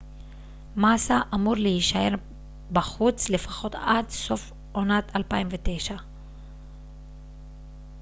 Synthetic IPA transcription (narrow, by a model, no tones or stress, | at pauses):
masaʔamuʁleiʃae̞ʁ | baχut͡sle̞fḁχo̞t̪adso̞f | onat̪ʰalpaimvet̪e̞jʃa